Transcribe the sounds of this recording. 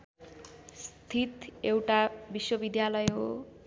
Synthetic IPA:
st̪ʰit̪ewʈabiswʌbid̪jalʌjɦo

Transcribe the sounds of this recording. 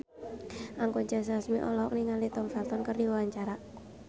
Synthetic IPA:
ʔaŋkuɲd͡ʒas̬asmiʔɔlɔɔk̚niŋalit̪ɔmfɛlt̪ɔnkərdiwawaɲt͡ʃaɾa

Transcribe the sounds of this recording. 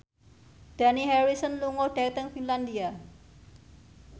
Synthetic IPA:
d̥a̤nihɛɾisənluŋoɖ̥at̪əŋfinland̪ia

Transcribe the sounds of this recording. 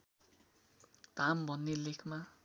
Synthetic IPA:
d̪̥ʱambʱʌnːelekʰma

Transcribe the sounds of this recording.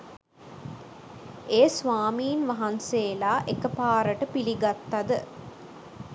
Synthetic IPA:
eːsʋaːmiːnʋɐɦɐnseːlaːʔekəpaːɾəʈəpiliɡat̪ːɐd̪ə

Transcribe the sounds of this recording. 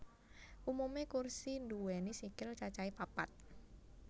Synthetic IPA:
ʔumumekursinduwɛnisikɪlt͡ʃat͡ʃaipapat̪̚

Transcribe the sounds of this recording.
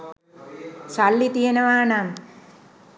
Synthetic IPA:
salːit̪iɐnɐʋaːɳam

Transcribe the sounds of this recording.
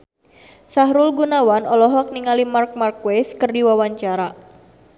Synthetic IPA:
saɦɾulɡunawanɔlɔɦɔk̚niŋalimark̚markweskərdiwawaɲt͡ʃaɾa

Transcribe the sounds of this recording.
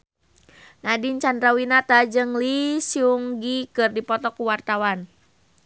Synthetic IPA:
nadiɲt͡ʃandɾawinat̪ad͡ʒɨŋlisiuŋɡikɨrdipɔt̪ɔkuwart̪awan

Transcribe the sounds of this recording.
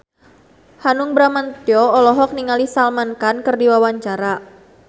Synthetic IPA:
hanʊŋbɾamant̪iɔɔlɔɦɔk̚niŋalisalmankankɨrdiwawaɲt͡ʃaɾa

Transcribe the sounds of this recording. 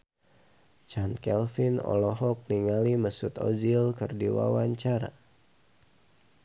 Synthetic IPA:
t͡ʃankɛlfinɔ̰lɔɦɔk̚niŋaliməsut̪o̰d͡ʒilkərdiwa̰waɲt͡ʃaɾa̰

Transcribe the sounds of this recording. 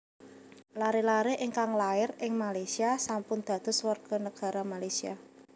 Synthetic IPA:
laɾelaɾeʔɪŋkaŋlaɪrɪŋmalajsiasampʊnd̪̥a̤d̪̥ʊ̤swarɡ̥ɔ̤nəɡ̥a̤ɾamalajsia̰

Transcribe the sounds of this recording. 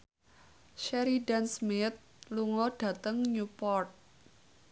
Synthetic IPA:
ʃɛɾidansmɪt̪̚ | luŋɔɖ̥a̤t̪əŋɲupɔrt̪̚

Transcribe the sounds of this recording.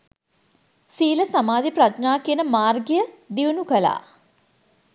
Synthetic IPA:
siːləsamaːd̪ipɾaʃnaːkiənəmaːrɡijəd̪iunukəla̰ː

